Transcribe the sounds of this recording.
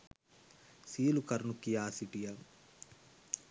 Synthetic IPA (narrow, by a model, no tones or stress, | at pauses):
siːlukɐɾnukːijaːsiʈija